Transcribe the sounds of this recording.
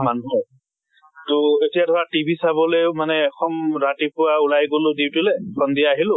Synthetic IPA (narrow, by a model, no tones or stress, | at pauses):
manuɦɔ | toetijadʱɔwatibʱisabɔlemanɛxɔmɹatipʊwaulajɡolʊdiwtulɛkʰɔndijaːɦilʊ